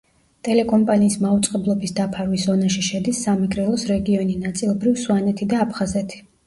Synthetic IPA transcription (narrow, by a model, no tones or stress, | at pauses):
t̪ʼɛlɛkʼɔmpʼaniːsmaut̪sʼqʼɛblˠɔbisd̪apʰaɾwiszɔnaʃiʃɛd̪isːamɛɡʼɾɛlˠɔsɾɛɡiɔninat̪sʼilˠbɾivsuanɛt̪ʰid̪aːpʰχazɛt̪ʰi̥